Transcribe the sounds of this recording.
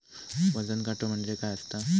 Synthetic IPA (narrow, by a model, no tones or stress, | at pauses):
ʋəd͡zənkaʈʰəm̤əɳd͡ʑekajəst̪a